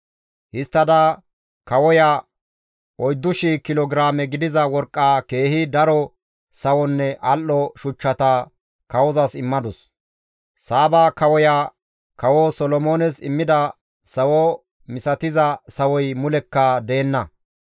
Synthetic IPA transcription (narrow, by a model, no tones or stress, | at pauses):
hɪst̪ːɐd̪ɐ | kɐwɔja | ɔjd̪ːʊʃikɪlɔɡɪɾaːmɛɡɪd̪ɪzɐwɔɾkʼːaːke̞ːhɪd̪ɐɾɔ | sɐwɔnːɛʔɐlːɔʃʊt͡ʃːɐt̪a | kɐwɔzɐsɪmːɐd̪ʊs | saːbaːkɐwɔjaː | kɐwɔsɔlɔmoːnɛsɪ̰mːɪd̪ɐ | sɐwɔ | mɪsɐt̪ɪzɐsɐwɔjmʊlɛkːɐd̪e̞ːnːɐ